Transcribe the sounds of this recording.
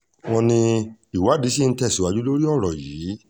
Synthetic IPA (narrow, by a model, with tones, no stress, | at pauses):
w̃ɔ̃˧nĩ˧i˨wa˨˦di˨˦si˦n̩˦tɛ˦˨si˨wa˧d͡ʒu˦lo˦ɾi˦ɔ˦˨ɾɔ˨jiː˨˦